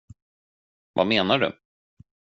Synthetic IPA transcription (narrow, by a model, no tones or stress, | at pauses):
va̰meːnaɖɵ̰